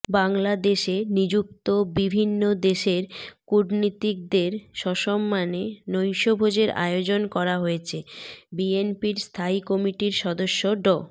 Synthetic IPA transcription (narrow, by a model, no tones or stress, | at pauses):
baŋlad̪eʃenid͡ʑuk̚t̪obibʱinːod̪eʃeɾkuɾnit̪ik̚d̪eɾʃɔʃɔmːanenojʃobʱod͡ʑeɾa̰eod͡ʑonkɔɾaɦojet͡ɕʰebienpiɾst̪ʰaikɔmiʈiɾʃɔd̪oʃːoɖɔ